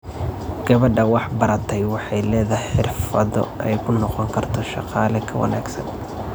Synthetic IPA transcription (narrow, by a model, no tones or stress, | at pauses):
ɡ̥ɐβɐɖɐwɑħbɐɾɐt̪ʰɛjwɑħɑjlɛːðɐħɪrfɐðɔ̰ʔɛjkʰʊnɔqɔŋkʰɐrt̪ʰɔʃɑ̰qɑːlɛkʰɐwɐ̰na̰ːɡsɐ̰n